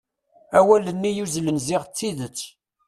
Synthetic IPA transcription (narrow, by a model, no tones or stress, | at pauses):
æwælənːijuzlənziʁt͡sːiðət͡sː